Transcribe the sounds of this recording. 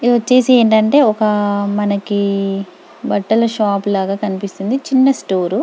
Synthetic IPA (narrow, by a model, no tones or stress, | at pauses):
ot͡ʃːe̞ːsieːɳʈɐɳʈe̞ːɔkɐmɐnɐki | bɐʈːɐlɐʃaːplaːɡaːkɐnipist̪und̪it͡ʃinːɐsʈoːɾu